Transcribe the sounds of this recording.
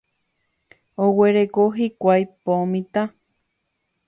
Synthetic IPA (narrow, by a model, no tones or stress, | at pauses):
oweɾekoɦikʷajpomĩt̪a